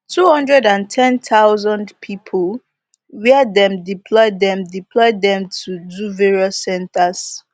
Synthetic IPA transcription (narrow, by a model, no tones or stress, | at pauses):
tʰuhʌ̃ndɹɛdãntʰɛ̃ntaʊzɔ̃ndpʰipʰəl | wɛədɛ̃mdipʰlɔɪddɛ̃mdiplɔɪddɛ̃mtʰuduveɹiɔsːɛ̃ntas